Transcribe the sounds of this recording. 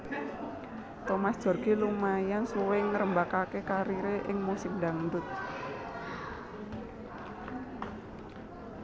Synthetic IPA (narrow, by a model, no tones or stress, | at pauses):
t̪ɔmasd̥ʒ̥ɔ̤rɡ̥i̤lumajansuwɪŋəɾəmbakakekaɾiɾeʔɪŋmusɪk̚daŋdʊt̪̚